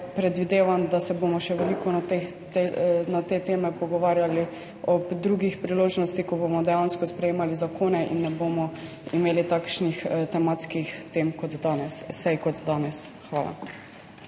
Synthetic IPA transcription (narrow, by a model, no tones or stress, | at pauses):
pɾɛd̪ʋid̪eːʋamd̪asɛbomɔʃɛʋɛlikɔt̪e | t̪nat̪eːt̪eːmɛpɔɡɔʋaːɾjali | ɔpd̪ɾuɡixpɾiloːʒnɔst̪ikɔbomɔd̪ɛjanskɔspɾɛjeːmalizakʰoːnɛʔḭnːɛboːmɔ | imeːlit̪akʃnixt̪ɛmat̪skixt̪emkɔt̪d̪aːnɛssɛjkɔt̪d̪aːnɛsxʋaːla̰